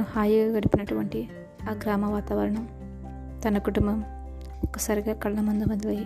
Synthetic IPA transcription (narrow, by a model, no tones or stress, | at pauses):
haːjiɡaːɡɐɽipinɐʈuʋɐɳʈi | aːɡɾaːmɐʋaːt̪aːʋɐɾɐɳɐm | t̪ɐnɐkuʈumbɐm | ɔkːɐsaːɾiɡaːkɐɭːɐmund̪umɐd̪ɐlɐːji